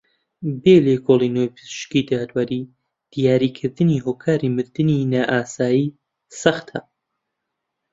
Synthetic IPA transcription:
beːlekʰolˠinojpʰɨz̥ʃkid̪aːd̪waɾi | d̪̥ijaːɾiːkʰɨɾd̪ɨniɦoːkʰaːɾimɨɾd̪ɨninaːʔaːsaːjiː | sɐxt̪ʰɐ

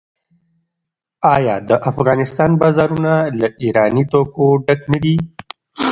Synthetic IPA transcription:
ɑjɑd̪əʔafɣɑnɪst̪ɑnbɑzɑɾunalaʔiɾɑnit̪okoɖaknad̪i

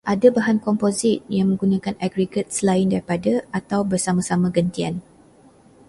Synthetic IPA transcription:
ʔadabaɦankɔmpozɪt̪̚jaŋmə̃ŋɡunãkanaɡɾiɡət̪̚səlaɪndaɾipadaat̪awbərsamãsamãɡənt̪ia̰n

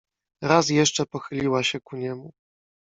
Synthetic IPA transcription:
ɾas̬jɛʂt͡ʂɛpɔxɘlʲiwaɕɛkuɲɛmu

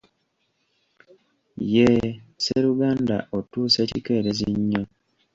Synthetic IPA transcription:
jeseɾuɡaːnda̰ʔotuːsecike̞ɾeziɲːo

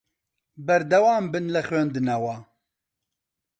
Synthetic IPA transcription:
bɛɾd̪ɛwaːmbɨnlɛxweːnd̪ɨnɛwa

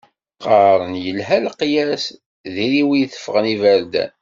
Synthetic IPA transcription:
qɑɾˤənjəlɦælqjæs | ðiɾiwijθə̥fːəʁənivæɾd̪æ̰n

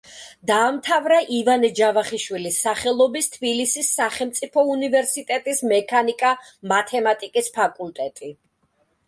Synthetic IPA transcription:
d̪aːmt̪ʰavɾaʔivanɛd͡ʒavaχiʃwilisːaχɛlˠɔbist̪ʰbilisisːaχɛlmt̪sʼipʰɔunivɛɾsit̪ʼɛt̪ʼismɛkʰanikʼa | mat̪ʰɛmat̪ʼikʼispʰakʼulˠt̪ʼɛt̪ʼi

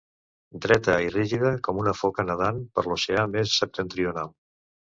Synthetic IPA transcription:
d̪ɾɛt̪əiriʒiðəkɔmunəfɔkənəð̞anpə̰ɾloseamessːəp̚t̪ənt̪ɾiunalˠ

